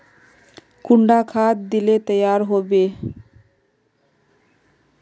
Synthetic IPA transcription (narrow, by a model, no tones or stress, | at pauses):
kuɳɖakʰat̪̚d̪ilet̪əjaɾɦobe